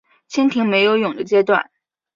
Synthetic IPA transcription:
t͡ɕʰi˥nt̪ʰi˧˥ŋme˧˥ɪjo˧˥ʊjʊ˨˩ŋd̪ə˦t͡ɕjɛ˥t̪wa̰˥˩n

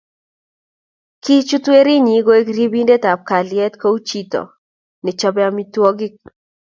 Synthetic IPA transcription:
ki˦t͡ʃu˦twe˦ɾi˦ɲi˨˦ɡo˦e˦kɾi˦bi˦nde˦ta˨p̚ka˨lɪjɛ˦tko˦u˦t͡ʃi˦tɔ̰˨ | nɛ˨t͡ʃɔ˦bɛ˦ami˦twɔ˦ɡɪ˦

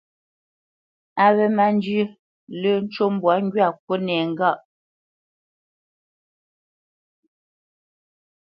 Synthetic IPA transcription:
a˨βɛ˦ma˦n˦d͡ʒ | lə˦˨n̩˦t͡ʃo˦m˦bwa˨˦ŋ˦ɡɥa˦˨kwo˦nɛː˨ŋ̩˨ɡa˦˨ʔ

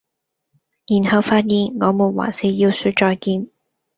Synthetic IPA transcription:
jiː˨˩nhɐ˨˧wfaː˧t̚jiː˨˩nŋɔː˨˧muː˨˩nwa̰ː˨˩siː˧ji˧wsyː˧˥t͡ʃɔː˧jkiː˧n

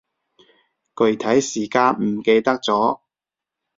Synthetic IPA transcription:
kɵ˨˧ɥt̪ʰɐ˨˥jsiː˨˩kaː˧nm̩˨˩ke˧jt̪ɐ˥k̚t͡sɔː˨˥

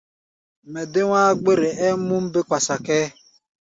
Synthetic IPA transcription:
me˨dɪ˦ŋʷaː˦ɡ͡be˦ɾe˨e˦mu˦m̩˦bɪ˦kʷa˨sa˨kɛ˦

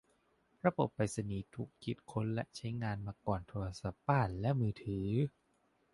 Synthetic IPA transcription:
ɾa˧bo˨˩pːa˨˧jsa˧niː˩˦t̪ʰu˦˥k̚ːi˨˩t̪̚kʰo˧˥nlɛ̰˦˥ʔt͡ɕʰa˦˥jŋaː˧nmaː˧kɔː˨˩nt̪ʰoː˧ɾa˧sa˨˩p̚ːaː˥˩nlɛ˦˥ʔmɯː˧t̪ʰɯː˩˦

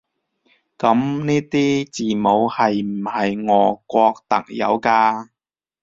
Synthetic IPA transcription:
kɐ˨˥mniː˥t̪iː˥t͡siː˨mo˨˧whɐ˨jm̩˨˩hɐ˨jŋɔː˨˧kʷɔː˧k̚t̪ɐ̰˨k̚jɐ̰˨˧wkaː˧

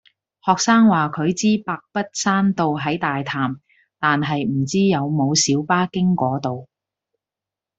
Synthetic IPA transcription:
hɔː˨k̚saː˥ŋwaː˨kʰɵ˨˧ɥt͡siː˥paː˧k̚pɐ˥t̚saː˥nt̪o˨wɦɐ˨˥jt̪aː˨jt̪ʰaː˨m | t̪aː˨nɦɐ˨jm̩˨˩t͡siː˥jɐ˨˧wmo˨˧wsiː˨˥wpaː˥kɪ˥ŋkʷɔː˨˥t̪o˨w

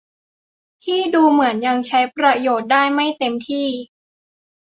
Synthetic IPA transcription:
t̪ʰiː˥˩duː˧mɯ˩˦ənja˧ŋt͡ɕʰa˦˥jpɾa˧joː˨˩t̪̚daː˥˩jma˥˩jt̪e˧mt̪ʰiː˥˩

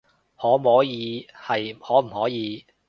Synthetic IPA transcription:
hɔː˨˥mɔː˨˥jiː˨˧hɐ˨jhɔː˨˥m̩˨˩hɔː˨˥jiː˨˧

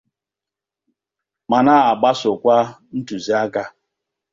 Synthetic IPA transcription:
ma˨na˦a˨ɡ͡ba˦sʊ˨kʷa˦n̩˦tu˨zi˦a˦ka˦

